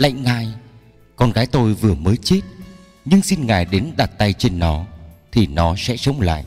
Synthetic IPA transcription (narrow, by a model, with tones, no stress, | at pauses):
la̰˧˨jŋ̟ŋaː˧˩j | kɔ˧nɣaː˨˦jt̪o˧jvɨ˨˩əməː˨˦jt͡ɕe˦˥t̚ | ɲɨ˧ŋsi˧nŋaː˨˩jɗe˨˦nɗa˨˩t̚t̪a˧jt͡ɕe˧nːɔ˨˦t̪ʰi˨˩nɔ˨˦sɛ̰˧˥sə˨˦wŋ͡mla̰ː˧˨jʔ